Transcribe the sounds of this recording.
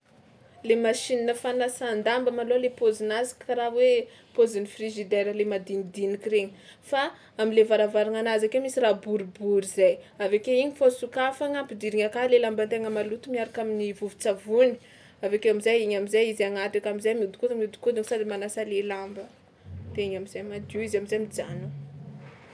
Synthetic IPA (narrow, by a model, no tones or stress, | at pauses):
lemaʃininəfanasand̪ambəmalolepozinazi̥kaɾawe | pozinifriʒid̪eɾəlemad̪inid̪inikiɾeɲəfa | amilevaɾavaɾaŋanazakemisirabuɾibuɾizajavekeiɲifosukafaŋampid̪iɾiŋakalelambant̪eŋəmalut̪umiaɾakaminivuvut͡savuni̥ | avekewamizajiɲamizajizaŋat̪ikamizajmiud̪i̥kut̪miud̪i̥kud̪iŋsadimanasalelambə | t̪eɲamizajmad̪uizamizajmid͡zanu